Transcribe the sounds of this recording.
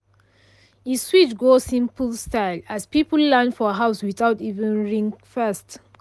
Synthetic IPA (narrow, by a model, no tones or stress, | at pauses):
iswit͡ʃɡosĩmpəlstaɪlæspipəlːɛ̃nfɔəɦaʊswitativə̃nɹĩŋkfɛst